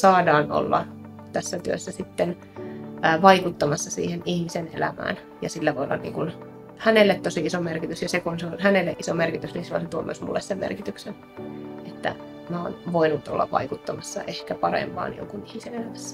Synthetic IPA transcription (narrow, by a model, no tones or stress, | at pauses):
sɑːdɑːno̰lːɑ̰ | t̪æsːæt̪yøsːæsit̪ːenː | ʋɑikut̪ːɑmɑsːɑsḭːhenihmisenḛlæmæ̰ːn | jɑsilːæʋoiolːɑ̰nnḭŋkun | hænelːet̪t̪osiisomerkit̪ysjɑsekunseonhænelːeʔisomerkit̪ysninsilːo̰set̪uomy̰øsmṵlːessemmḛrkit̪yksen | ʔet̪ːæ̰ | mæo̰ːnʋoinut̪o̰lːɑ̰ʋʋɑ̰ikut̪ːɑmɑsːɑ̰ʔehkæpɑrḛmpɑ̰ːnjo̰ŋkunihmisenelæmæsːæ̥